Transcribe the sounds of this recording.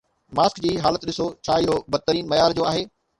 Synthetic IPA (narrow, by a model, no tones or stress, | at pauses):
maːskd͡ʑiːɦaːlət̪ɗɪsot͡ɕʰaːɪɦobɐd̪̚t̪əɾiːnmɐjaːɾd͡ʑoːaːɦeː